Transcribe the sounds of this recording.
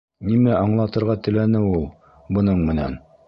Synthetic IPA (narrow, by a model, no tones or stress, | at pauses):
nimæʔɑɴlˠɑt̪ɤ̆ɾʁɑt̪ɘ̆lænɘulˠ | bɤ̆nɤɴmɘ̆næ̰n